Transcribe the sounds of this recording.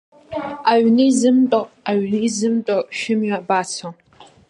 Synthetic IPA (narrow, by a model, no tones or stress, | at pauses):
aɥnɨizɨmtʼo | aɥnɨizɨmtʼoʃɪmɥabaːt͡sʰo